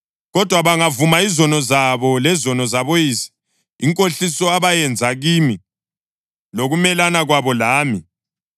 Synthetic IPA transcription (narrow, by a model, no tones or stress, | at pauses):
ɣɔd̥ʱwaβaŋavumaizɔnɔzaβɔlɛzɔnɔzaβojiːsi̥ | iŋkʼoɬisɔaβajɛnd͡zʱaɣimi | loɣumɛlanaɣwaβɔlaːmi